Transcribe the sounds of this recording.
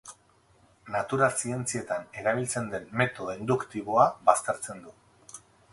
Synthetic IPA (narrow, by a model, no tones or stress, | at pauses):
nat̪uɾalsie̞nt͡sie̞t̪ane̞ɾaβ̞ilt͡se̞nd̪e̞nme̞t̪o̞end̪ukt̪iβo̞aβast̪e̞ɾt͡se̞nd̪u